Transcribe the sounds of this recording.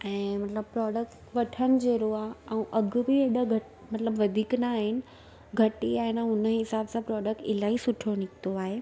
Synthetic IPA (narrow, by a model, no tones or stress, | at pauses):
ɛ̃ːmɐt̪ləb̚pɾɔːɖək̚ʈ | ʋɐʈʰənɪ̆d͡ʑeːɾoaːɦɛũʔɐɡʊbɪeːɗəɡʱɐ | mɐt̪ləbʋɐd̪ʱiːknaːɦɪnɪ̆ | ɡʱɐʈiaːɦɪnãʊnəɦɪsaːbsãpɾɔːɖək̚ʈɪlaːisʊʈʰonɪkʰt̪oaːɦeː